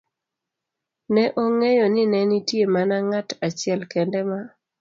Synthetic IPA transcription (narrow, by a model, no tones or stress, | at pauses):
nɛʔoŋejonɪnɛnitjemanaŋatat͡ʃɪɛlkɛndɛma